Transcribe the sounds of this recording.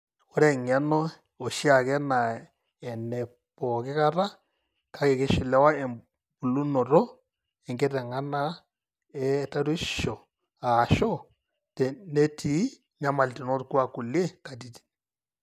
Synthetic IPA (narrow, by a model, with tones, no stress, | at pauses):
o˦ɾɛ˦˨ŋɛ˦nɔ˦ | o˨ʃi˦a˨kɛ˦na˨ | ɛ˨nɛ˨ | pɔ˨kɪ˦ka˦ɾa˦ | kʰa˦kɛ˨kɪ˦ʃɪ˨lɛ˦wa˦ɛ˨ | bu˨lu˦nɔ˨ɾɔ˦ | ɛ˨ŋɡɛ˦tɛ˨ŋa˦na˦ | ɛ˦ta˦ɾwi˦ʃɔ˨ | a˨ʃɔ˦ | tɛ˨ne˦tʰi˨˦ | ɲa˦ma˨lti˨nɔ˦tku˦a˨ku˨lje˦ka˨t̬i˦ti̥˨